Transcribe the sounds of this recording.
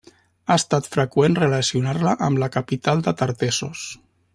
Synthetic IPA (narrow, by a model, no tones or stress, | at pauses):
aəst̪at̪fɾəkwenrələsiunaɾləʔəmləkapit̪alˠd̪ət̪əɾt̪esos